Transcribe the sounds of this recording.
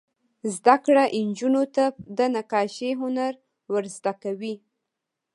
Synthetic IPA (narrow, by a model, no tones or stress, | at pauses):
zd̪akɽaʔɪnd͡ʒunot̪ad̪ənakɑʃeɦʊnaɾ | wəɾzd̪akawi